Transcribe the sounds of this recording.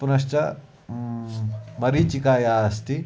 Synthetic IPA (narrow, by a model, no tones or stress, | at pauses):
punɐʃt͡ʃɐ | mɐɾit͡ʃikaːjaːɐst̪i